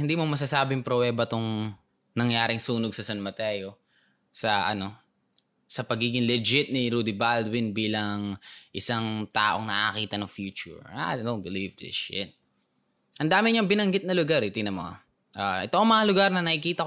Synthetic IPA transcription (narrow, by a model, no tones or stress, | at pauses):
hɪnd̪iːmomɐs̬asaːbɪŋpɾowɛːbɐt̪oŋ | nɐŋjaːɾɪŋsuːnoɡ̚sɐsɐnmɐt̪ɛːjo̞ | sɐʔɐno̞ | sɐpɐɡiːɡɪŋlɛd͡ʒɪt̪̚niɪɾuːd̪ibald̪wɪnbiːlɐŋʔɪsaŋt̪a̰ːʔo̞ŋnɐʔkiːt̪ɐnɐŋfjuːt͡ʃʊ̰ɹad̪own̚bɪlivd̪ɪ̰ʃɪ̰t̪̚ | ʔɐnd̪aːmɪɲɐŋbɪnɐŋɡɪt̪̚nɐlʊɡaɾɪt̪inɐmo̰ | ʔaʔɛt̪oʔɐŋmɐŋɐlʊɡaɾnɐnɐʔɪkiːt̪ɐ